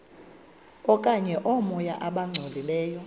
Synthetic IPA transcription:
ɔkʼaɲɛʔɔmɔjaʔaɓaŋ͡ǀʱolilɛːjɔ

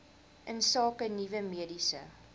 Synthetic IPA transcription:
ʔənsɑːkənivəmiədisə̰

